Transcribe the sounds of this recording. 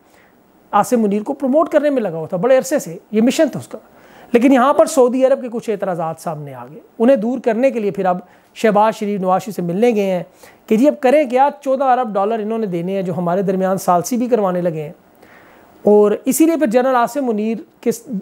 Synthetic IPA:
aːsɪmːʊniːɾkopɾomoːʈkəɾnemẽlɐɡaːot̪ʰabɐɽeɐɾsesejeːmɪʃənt̪ʰeʊskaː | leːkɪnjɐɦãpəɾsɐuːd̪iɐɾəb̚kekʊt͡ʃʰeːt̪ɾaːzaːd̪saːmnea̰ːɡəeːʊnɦẽd̪uːɾkɐɾnek̬eliepʰɪɾɐb | ʃɛːbaːzʃəɾiːfnɐʋaːʃisemɪlnẽɡɐẽɦɛ̃ːked͡ʒiːɐb̚kɐɾẽk̬jaːt͡ʃɔːd̪ãɐɾəbɖɔːləɾɪnõnẽd̪eːneɛ̃d͡ʒoːɦɐmaːɾed̪ɐɾmijaːnsaːlsibʱikɐɾʋaːnelɐɡẽɦɛ̃ː | ɔːɾɪsiliepʰɪɾd͡ʒɐɾnəlaːsɪmːʊniːɾke

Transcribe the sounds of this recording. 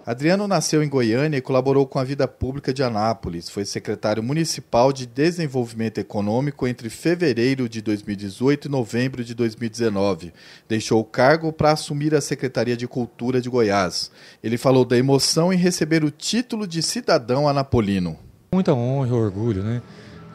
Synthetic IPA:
ad̪ɾiɐ̃nʊnasewẽɡojɐ̃niɐikolaboɾowkõɐvid̪ɐpublikɐd͡ʒɪanapolisfojsekɾet̪aɾjʊmũnisipawd͡ʒɪd̪ezẽvowvimẽnt̪ʊekonõmikʊẽnt̪ɾɪfeveɾejɾʊd͡ʒɪd̪ojzmiwid͡ʒɪzojt̪ʊinovẽmbɾʊd͡ʒɪd̪ojzmiwid͡ʒ̪ɪzenɔvɪ | d̪ejʃowʊkaɾɡʊpɾɐasumiɾɐsekɾet̪aɾiɐd͡ʒɪkuwt̪uɾɐd͡ʒɪɡojaselɪfalowd̪ɐemosɐ̃w̃ɪ̃ɦesebeɾʊt͡ʃit̪ulʊd͡ʒɪsid̪ad̪ɐ̃w̃ɐnapolĩnʊmũj̃t̪ɐõɦɐoɾɡuʎʊnɛ

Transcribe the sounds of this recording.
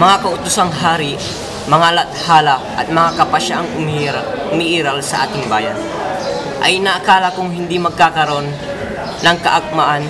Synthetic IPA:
mɐŋakɐʔʊt̪ʊsaŋɦaːɾɪ | mɐŋalɐt̪̚haːlɐʔɐ̰t̪̚mɐŋakɐpɐʃaʔaŋʊmʊmiʔiːɾɐlsɐʔa̰ːt̪ɪŋbaːjɐn | ʔɐjnɐʔɐkaːlɐkʊŋɦɪnd̪imɐɡ̚kakɐɾo̞nː | ɐŋkɐʔɐk̚maʔan

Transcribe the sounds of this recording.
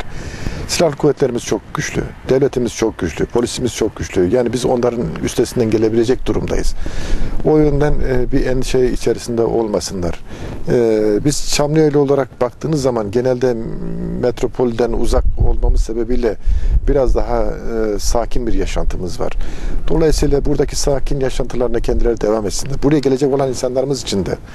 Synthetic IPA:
silʲalʲˠkʰuvːɛt̪lʲe̞ɾimiz̥t͡ʃʰo̞k̚ɟ̥yt͡ʃlʲy̰d̪̥evlʲet̪ʰimiz̥t͡ʃʰo̞k̚ɟyt͡ʃlʲypʰo̞lʲisimiz̥t͡ʃʰo̞k̚ɟyt͡ʃlʲyjaːnibizo̞nlˠaɾɯny̰st̪ʰesind̪ænɟe̞lʲe̞bilʲe̞d͡ʒɛc̚d̪̥uɾumd̪a̰jɯ̰z̥ | o̞jønd̪ænbiɛnʃejiːt͡ʃʰeɾisind̪ɛʔo̞lˠmasɯnlˠa̰ɾ̥ | biz̥t͡ʃʰamlɯjajlʲˠio̞lˠaɾak̚bakt̪ʰɯːnɯzːamanɟe̞nælʲd̪ɛmet̪ɾo̞pʰo̞lʲid̪ænṵzak̚o̞lˠmamɯzse̞be̞bilʲɛb̥iɾazd̪aɦasaːcʰinbiɾjaʃa̰nt̪ʰɯmɯzva̰ɾ̥d̪̥o̞lˠajɯsɯjlˠabuɾd̪acʰi̥saːcʰinjaʃant̪ʰɯlˠaɾɯnacʰɛnd̪ilʲeɛɾid̪e̞vamet̪sind̪æɾbuɾajaɟe̞lʲe̞d͡ʒɛco̞lˠaninsanlˠaɾɯmɯzit͡ʃʰind̪ɛ

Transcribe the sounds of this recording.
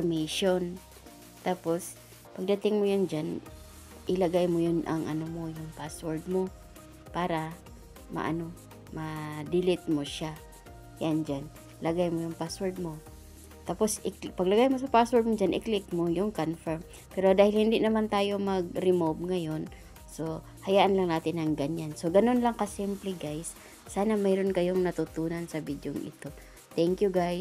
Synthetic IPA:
meʃon | t̪aːpos | pɐɡ̚d̪at̪ɪŋmojʊnd͡ʒan | ʔɪlaɡajmojʊnʔa̰ŋʔɐnomojʊŋpaswɛɹd̪̚mo | paːɾa | ma̰ʔa̰no | mad̪ɪlɪt̪̚moʃa | jand͡ʒan | laɡajmojʊŋpaswɛɹd̪̚mo | t̪aposɪkpɐɡlɐɡajmosɐpaswɛɹd̪̚mod͡ʒanʔɪklɪkmojʊŋkonfɛɹm | pɛɾo̞d̪aːhɪlhɪnd̪ɪnɐmant̪aːjomɐɡ̚ɾɪmobŋɐjo̞n | so̞ | hɐjaːʔanlɐŋnaːt̪ɪnɐŋɡaɲansoɡɐno̞nlaŋkɐsɪmplɪɡajsː | aːnamɛɾonkɐjoŋnɐt̪ʊt̪uːnansɐvid̪joŋʔɪ̰t̪o̞ | t̪ɛŋkjuɡaj

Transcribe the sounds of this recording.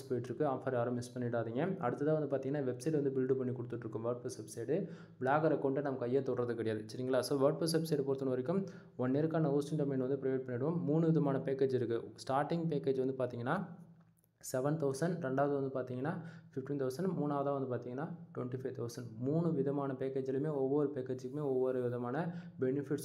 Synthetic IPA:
spɐjɪʈːɾɯkːɯaːpfɐɾjaːɾɯmɪspɐɳːɪʈːaːðiŋɡɐɐ̰ɽɯt̪ːɐðaːʋɐnd̪ɯpaːɾt̪iŋɐnːaːʋɛbsɐɪʈʋɐnd̪ɯbɪlɖɯpɐɳːikɔɽɯt̪ːɯʈːɾɯkːɯmʋɐːɾʈ̚pɾɐsʋɛbsɐɪʈɯ | bɭaːɣɐɾɐkɔɳɖenɐmɐkːɯɐjːɐt̪ɔɽɐɾɐðɯkːɐɽɐɪjaːðɯt͡ʃːɐɾiːŋɡɐɭlaːsoːʋɐɾʈ̚pɐs̬ʋɛbsɐɪʈpoːɾt̪ːɯnɐʋɐɾɪkːɯm | ɔɳːeːɾɯkːaːnɐoːsʈɪɳʈɐmɛnʋɐnd̪ɯpɪɾɪʋeːʈ̚pɐɳːɪɽɐʋɯmːuːnɯʋɪðɐmaːnɐpeːkeːd͡ʒɪɾɯkːɯsʈaːɾʈɪŋɡpeːkeːd͡ʒʋɐnd̪ɯpaːɾt̪iːŋɡɐnːaː | sɛʋɐnt̪ɐʊsɐɳɖɾɛɳɖaːʋɐðɯʋɐnd̪ɯpaːɾt̪iːŋɡɐnːaːfɪfʈint̪ɐʊsɐɳɖmuːnaːʋɐðãːʋɐnd̪ɯpaːɾt̪iːŋɡɐnːaːʈʊʋɛɳʈifɐɪt̪ʰɐʊsɐɳɖmuːnɯʋɪðɐmaːnɐpeːkeːd͡ʒɪlɯmeːɔʋːɔɾɯpeːkeːd͡ʒɯkːɯmeːɔʋːɔɾɯʋɪðɐmaːnɐbɛnɪfɪʈs

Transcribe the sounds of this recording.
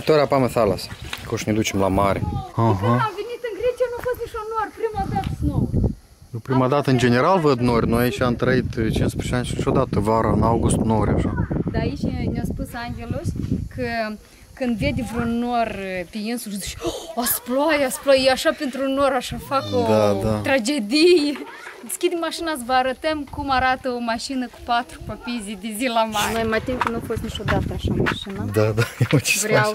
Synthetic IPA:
t̪oɾeapameθalaskoʃned̪ut͡ʃemlamaɾeaɦaamvenit̪ɨŋɡɾet͡ʃijanufost̪nit͡ʃʲunorpɾimad̪at̪no | pɾimad̪at̪əɨnd͡ʒeneɾalvəd̪norʲnoajit͡ʃʲamt̪ɾəit̪t͡ʃinspet͡ʃeanʲʃinit͡ʃʲod̪at̪əvaɾaɨnawɡust̪noɾʲa̰ʃad̪aait͡ʃʲnʲaspusaŋɡʲeloʃʲkʰə | kɨnd̪viɛd̪ivɾonorpijinsuzuʃasplɔjasplɔjiaʃapent̪ɾunoɾaʃafakod̪ad̪at̪ɾad͡ʒed̪ij | d̪iskʲid̪imaʃinas̬vaɾɐt̪ɐmkumaɾat̪əomaʃinəku̥pat̪ɾu̥papizʲid̪izilamanjmat̪imʲkənɐfosʲt̪nʲiʃod̪at̪ɐaʃamaʃinad̪ad̪ajet͡ʃi̥svɾa

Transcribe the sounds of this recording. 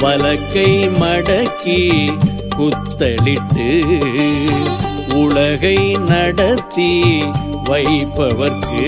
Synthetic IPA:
ʋɐlɐkːɐɪmɐɽɐkːi | kʊt̪ːɐɭɪʈːɯ | ʊɭɐɣɐɪnɐɽɐt̪ːi | ʋɐɪpːɐʋɐɾkɯ

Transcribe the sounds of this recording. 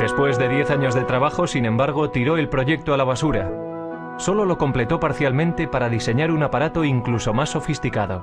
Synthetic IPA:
d̪e̞spwe̞zðe̞ðje̞θaɲo̞zðe̞t̪ɾaβ̞axo̞sinẽ̞mbaɾɣ̞o̞t̪iɾo̞e̞lpɾo̞ʝe̞k̚t̪oalaβ̞asuɾa | so̞lo̞lo̞ko̞mple̞t̪o̞paɾθjalmẽnt̪e̞paɾaðise̞ɲaɾunapaɾat̪o̞iŋkluso̞masːo̞fist̪ikaðo̞

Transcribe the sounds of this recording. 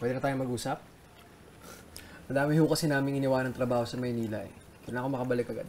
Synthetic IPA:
pwɛd̪ɛnɐt̪aːjomɐɡuːsɐp̚ | mɐd̪aːmɪhukɐsɛnaːmɪŋʔɪnɪwaːnɐŋt̪ɾɐbaːho̞sɐmɐjniːlɐʔɛ̰ | kʊnlaʔɐkomɐkɐbɐlɪkːɐɡa̰d̪

